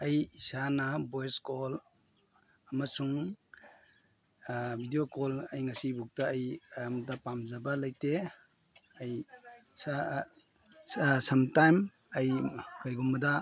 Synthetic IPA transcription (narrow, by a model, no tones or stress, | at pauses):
ɐjisanɐbojeskol | ɐmɐsuŋ | bʱidijokolɐjŋɐsibuk̚taːjmtɐpamzɐbɐlɐjte | ɐjs | sɐmtajm | ɐjkɐɾɡumːɐdɐ